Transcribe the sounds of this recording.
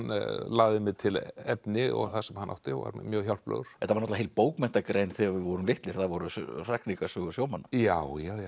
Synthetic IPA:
nlaːɣðɪmɛðt̪ʰɪlɛpnɪɔ̰ɣθasɛmhanːa̰wht̪ɪva̰ɾmjœːɣçjawl̥plœ̰ɣɾ̥ɛht̪avɾnɔt̪aɦejlpoːwkmɛn̥t̪akɾejnθɛɣavɪðvɔɾʏmlɪht̪lɪɾ̥θavɔɾʏr̥aknikasʏɣʏ̥sjoːwmanːajawjaj

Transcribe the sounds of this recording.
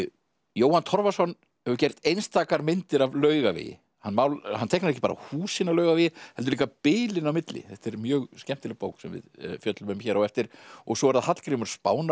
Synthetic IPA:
joːwhant̪ʰɔɾvasɔn | hɛvʏɾcɛjr̥t̪ejnst̪ʰaːkaɾmɪnt̪ɪɾavlœːɥɣavɪ̰ːjɪ̰ | hanːmaːwlhant̪ʰejknaɾɛcɪ̥paːɾa̰huːsɪnawlœːɥɣavɪːjɪhɛlt̪ʏɾliːkapɪːlɪnawmɪt̪lɪ̰θɛht̪ɛɾmjœːɣscɛm̥t̪ɪlɪpo̰ːwksɛmvɪ̰ðfjœt̪lʏmɪmçɛːɾawɛft̪ɪɾ̥ɔɣsɔvaɾðahat̪l̥kɾɪmʏɾ̥spa̰ːwna

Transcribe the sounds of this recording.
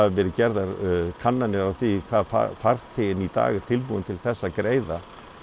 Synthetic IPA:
avɛɾʏcɛɾðaɾkʰanːanɪɾawθikʰvaːðfa̰faɾ̥θɪnit̪a̰ːɣɪ̥t̪ʰɪlpuðɪnt̪ʰɪlθɛsːakɾeːjða

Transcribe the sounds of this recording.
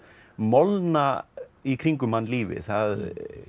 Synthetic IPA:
mɔlnaikʰɾiŋkʏmanːliːvɪ̰θað

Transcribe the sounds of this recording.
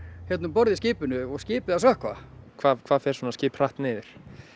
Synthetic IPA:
çjɛt̪nʏmpɔɾðɪsciːpʏnʏɔɣsciːpɪðasvœhkvakʰvaːðkʰv̥aːðfɛɾ̥sɔːnasciːpr̥aht̪nɪːðɪɾ̥

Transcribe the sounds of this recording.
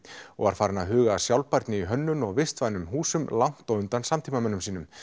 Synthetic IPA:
ɔ̰ɣva̰ɾ̥faːɾɪnaɦʏːɣaːsjawlpaɾt̪nɪiɦœnːʏnɔɣvɪst̪vajnʏmɦuːsʏmlawn̥t̪ɔwʏnt̪ansamt̪ʰiːmamɛnːʏmsiːnʏm

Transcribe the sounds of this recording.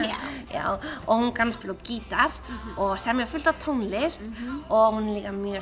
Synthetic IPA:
ja̰ːwɔhunkanspɪlɔciːt̪aɾ̥ɔɣsɛmjafʏl̥t̪at̪ʰownlɪst̪ɔɣhunɛliːkamjœː

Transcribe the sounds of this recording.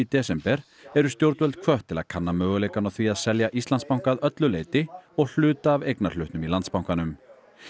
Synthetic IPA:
it̪ɛsɛmpɛɾ | ɛɾʏst̪jowɾt̪vɛlt̪̚kʰvœht̪ʰːɪla̰ðkʰanːamœːɣʏleːjkanawθviaðsɛljaʔist̪lanspawŋ̥kaðœt̪lʏlejt̪ɪɔɣl̥ʏːt̪aːvejknaɾl̥ʏht̪nʏmilant̪spawŋkanʏm

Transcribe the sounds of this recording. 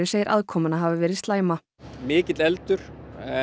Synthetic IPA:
ɪseːjɪɾʔa̰ðkʰɔːmʏnaɦaːvɪvɛːɾɪðst̪laːjma | mɪːcɪt̪lɛlt̪ʏɾ̥

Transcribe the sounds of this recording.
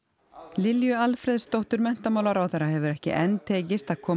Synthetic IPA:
lɪljʏalfɾɛðst̪owht̪ʏɾmɛn̥t̪amaːwlaɾawθejɾːaɦɛvʏɾɛhcɪ̰ʔɛnt̪ʰeːcɪst̪aðkʰɔː

